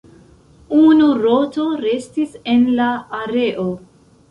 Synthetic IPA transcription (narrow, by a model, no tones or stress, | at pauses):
unuɾo̞to̞ɾe̞stise̞nlaːɾe̞ʔo̞